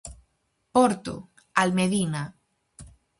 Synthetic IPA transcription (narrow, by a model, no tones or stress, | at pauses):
poɾt̪o̰ | almeðina